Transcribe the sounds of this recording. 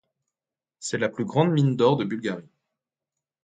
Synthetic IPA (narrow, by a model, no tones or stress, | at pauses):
sɛlaplyɡʁɑ̃d̪mind̪ɔʁd̪əbylɡʲaʁi